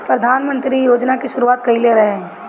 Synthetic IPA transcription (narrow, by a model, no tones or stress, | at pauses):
pɾɐd̪ʱaːnmə̃nt̪ɾijoːd͡ʒnakiʃʊɾuaːt̪̚kɐɦileɾɐɦeɦɛ̃